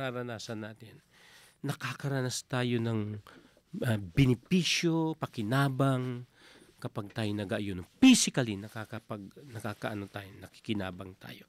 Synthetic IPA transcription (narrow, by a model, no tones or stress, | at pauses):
aɾɐnaːsɐnːaːt̪ɪnː | ɐkakɐɾɐnast̪aːjo̞nɐŋ | ɐbɛnɪpiːʃjo̞pɐkɪnaːbɐŋ | kɐpaɡ̚t̪aːjonɐɡɐʔjonofisɪkɐlinɐkakɐpɐɡnɐkaːkɐʔɐnot̪aːjonɐki̥kɪna̰ːbɐŋt̪a̰ːjo̞